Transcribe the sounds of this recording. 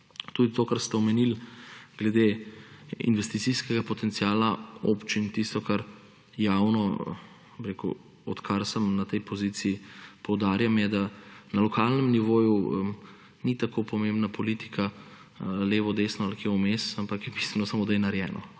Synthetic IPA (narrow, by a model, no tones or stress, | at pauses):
t̪ud̪it̪oːkaɾst̪ɛɔmɛnilɡ̥lɛd̪e | ḭnʋɛst̪it̪siskɛɡapɔt̪ɛnt̪siaːlao̰pt͡ʃint̪ist̪ɔkaɾ | jaːwnɔ | biɾekṵ | ɔt̪kʰaɾsəmnat̪ɛjpɔziːt̪siːpɔwd̪aːɾjamjɛd̪anɐlɔkalnɛmniʋoːju | nit̪akʰopɔmembnapɔlit̪i̥kʰa | leːʋɔd̪eːsnɔalkeumesampakjɛbist̪ʋɛnɔsamod̪ajɛnaɾjɛːnɔ̰